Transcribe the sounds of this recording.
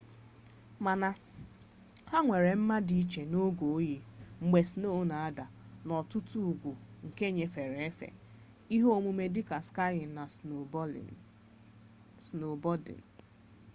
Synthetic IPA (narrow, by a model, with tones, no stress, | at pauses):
ma˨na˨ | ha˦ŋʷe˨ɾe˨m̩˦ma˦di˨˦t͡ʃe˨no˦ɡo˨˦ji˨ŋ͡m̩˨ɡ͡be˨si˨˦no˦na˨a˦da˨nɔ˨tʊ˦tu˦u˨ɡʷu˨ŋ̩˨ke˦ɲe˨fe˨ɾe˨e˦fḛ˨ | i˦ɦo˦o˦˨mu˨˦me˨dɪ˦ka˨ska˦jɪ˨na̰˨ | sno˨bɔ˦dɪ̰˨n̩˨